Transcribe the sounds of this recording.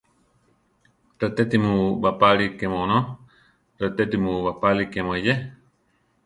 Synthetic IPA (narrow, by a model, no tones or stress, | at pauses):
ɾət̪et̪imũbapalikemõnõ | ɾət̪et̪imũβapalikemõije